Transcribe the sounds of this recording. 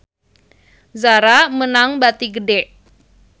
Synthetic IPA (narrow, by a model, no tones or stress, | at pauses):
zaɾamənaŋbat̪iɡədɛʔ